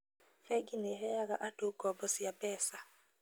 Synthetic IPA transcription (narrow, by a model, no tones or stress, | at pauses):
fɛɡinɛɦɛjakaʔadoɡ̥ɔbɔsijabɛːsa